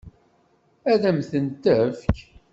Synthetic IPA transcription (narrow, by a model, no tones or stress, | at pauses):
æðæmθənt̪æfk